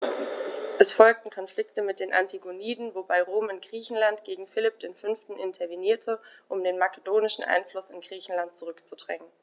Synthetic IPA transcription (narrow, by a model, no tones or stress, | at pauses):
ʔɛsfɔlk̚tn̩kʰɔnflɪktəmɪt̚d̥eːnʔa̰ntʰiɡoniːdn̩vobaɪʁoːmɪntɡ̥ʁiːçn̩lantɡ̥eːɡŋ̩fɪlɪp̚d̥eːnfʏnftn̩ʔɪntʰɐviniːɐtʰəʔʊmdeːnmakədoːnɪʃn̩ʔa̰ɪnflʊsɪnɡ̥ʁiːçn̩lant̚t͡suʁʏkt͡sudʁɛ̰ŋən